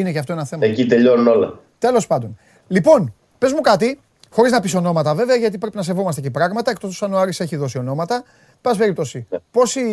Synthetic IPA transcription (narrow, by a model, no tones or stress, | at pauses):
ineceɐft̪o̞enɐθemɐecit̪e̞ʎo̞nuno̞lɐ̰ | t̪e̞lo̞spɐnd̪o̞n | lipo̞n | pe̞zmukɐt̪i | xo̞ɾiznɐpiso̞no̞mɐt̪ɐve̞ve̞ɐʝɐt̪̬ipɾe̞pinɐse̞vo̞mɐst̪ecipɾɐɣmɐt̪ɐekt̪ost̪u̥sɐnuɐɾise̞çiðo̞sio̞no̞mɐt̪ɐ | b̥ɐs̬pe̞ɾip̚t̪o̞sipo̞si